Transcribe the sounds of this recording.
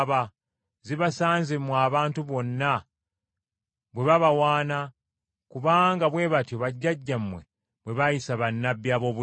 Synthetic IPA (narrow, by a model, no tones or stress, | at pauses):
βa | ziβasaːnzimwaːβaːntuβo̞nːa | βwe̞βaβawaːna | kuβaːŋɡaβwe̞ːβatjoβaɟːaɟːamːwe | βwe̞βajisaβanːabjaːβo̞ːβu